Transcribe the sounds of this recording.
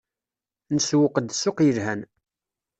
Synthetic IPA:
nəswəqəd̪soqjəlhæn

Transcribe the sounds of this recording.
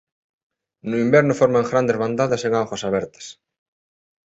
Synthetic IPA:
nʊimbɛɾnʊfoɾmaŋɡɾand̪ezβand̪aðaseŋawxwasaβɛɾt̪ɐ̥s

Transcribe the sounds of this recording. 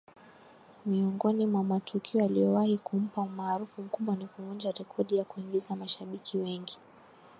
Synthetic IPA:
miɔŋɡɔnimwamatʰukʰiɔjalijɔwahikum̩paumaːɾufum̩kuɓwanikuund͡ʒaɾɛkʰɔɗijakuiŋɡizamaʃaɓikʰiwɛŋɡi

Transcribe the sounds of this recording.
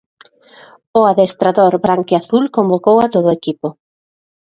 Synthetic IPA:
ʊaðest̪ɾaðoɾbɾaŋkeaθulkõmbokowat̪oð̞ʊekipʊ

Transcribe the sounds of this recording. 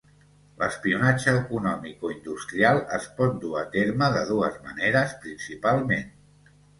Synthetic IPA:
ləspiunad͡ʒəːkunɔmikoind̪ust̪ɾialˠəspɔt̪̚d̪uət̪eɾməðəðuəzmə̰neɾəspɾinsipalˠmen

